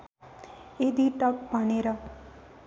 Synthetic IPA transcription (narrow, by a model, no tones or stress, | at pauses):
ed̪iʈʌk̚bʱʌneɾʌ